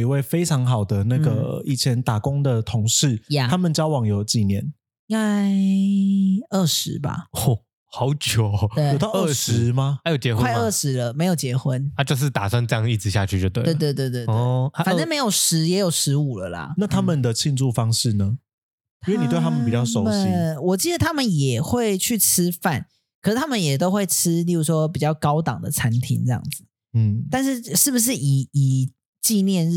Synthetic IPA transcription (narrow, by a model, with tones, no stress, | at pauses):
i˧˥we˥˩ɪfe˥ɪʈ͡ʂʰɑ˧˥ŋxɑ˨˩ʊd̪ə˨na˥˩ɡə˩i˥˩t͡ɕʰjɛ˧˦nt̪a˨˩kʊ˦ŋd̪ə˨t̪ʰʊ˧˦ŋʂɻ̩˥˩ja˥˧a˥mə˨nt͡ɕjɑ˥˦ʊwɑ˨˩˦ŋjo˨˩ʊt͡ɕi˥˩njɛ˨˦n | a˥˩ | ə˥˩ʂɻ̩˧˦ba̰˨ɔ˥˩ | xɑ˨˧˦ʊt͡ɕjo˨˩we˧˥jʊt̪ɑ˥˧ʊ˩ə˥˩ʂɻ̩˨˧˦ma˧a˥˦jo˨˩ʊt͡ɕjɛ˧˦xwkəwa˥˧ə˥˩ʂɻ̩˧˥lə˧me˧˥ɪjo˨ʊt͡ɕjɛ˧˥xwə˦na˥˧t͡ɕjo˥˧ʊʂ̬ɻ̩˥˩t̪a˨˩swa˥˧nɤ˥˧jɑ˥ŋə˨i˥˩t͡sɹ̩˨˩ɕja̰˥˧t͡ɕʰy˥˩t͡ɕjo˥˧ʊt̪we˥˩we˧t̪we˥˧t̪we˥˧t̪we˥˧˨e˩˥˩fa˨ʈ͡ʂme˧˥ɪjo˨˩ʊʂɻ̩˧˦˥jɛ˧˦˥jo˨˩ʊʂɻ̩˧˥u˨˩lə̰˦lɐ̰˩na˥˩t̪ʰa˥mə˨nd̪ə˨t͡ɕʰi˥˧nʈ͡ʂu˥˩fɑ˦˥ŋʂɻ̩˥˩nə˩ | i˥we˥˩ni˨t̪w̪ʰa˥mə˨pi˨˩t͡ɕjɑ˥˩ʊʂo˨˦ʊɕi˥wɔ˨˩t͡ɕi˥˩d̪ə˩t̪ʰa˥mə˨njɛ˨˩xwe˥˧ɪt͡ɕʰy˥˩ʈ͡ʂ̩ʰ˥fa˥˩n | kʰə˨˩ʂɻ̩˥˩t̪ʰa˥mə˨njɛ˨˩t̪o˥ʊxwe˥˩ɪʈ͡ʂʰɻ̩˥li˥˩u˧˥ʂwɔ˦p̬i˨˩t͡ɕjɑ˥˩ʊkɑ˥ʊt̪ɑ̰˨˩ŋd̪ə̰˦t͡sʰa˧˥nt̪ʰḭ˧˥ŋʈ͡ʂɤ˥˧jɑ̰˥˩ŋd͡z̩˨˩ | n̩˥˩t̪a˥˧nʂ̬ɻ̩˥˧ʂɻ̩˥˩bu˩ʂ̬ɻ̩˥˩i˨˩i˨˩ | t͡ɕi˥˧njɛ˥˧n